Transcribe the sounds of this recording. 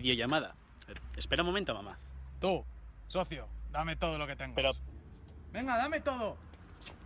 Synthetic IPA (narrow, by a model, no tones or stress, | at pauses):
ðjoʝamaða̰ | espe̞ɾamomẽnt̪omamat̪usoθjod̪ame̞t̪oð̞olo̞ket̪e̞ŋɡeɾo | be̞ŋɡaðamet̪oðo